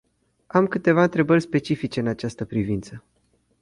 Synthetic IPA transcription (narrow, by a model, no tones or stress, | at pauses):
amkɨt̪e̞vaɨnt̪ɾe̞bərʲspe̞t͡ʃifit͡ʃe̞ɨnat͡ʃast̪əpɾivint̪sə